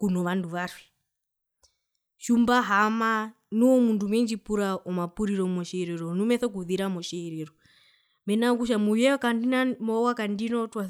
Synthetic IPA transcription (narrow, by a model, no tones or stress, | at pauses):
kunɔʋanduʋaɾwi | ʃumbaɦama | nuɔmundumɛnd͡ʒipuɾaɔmapuɾiɾɔmɔʃɛɾɛɾɔnumɛθɔk̬uðiɾamɔʃɛɛɾɛɾɔ | mɛnak̬uʃ̬amujɛkandinamɔwakandinɔtwa